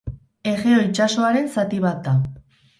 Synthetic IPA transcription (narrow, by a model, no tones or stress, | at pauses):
e̞ɣeo̞it͡ʃaso̞aɾe̞nsat̪iβat̪̚d̪a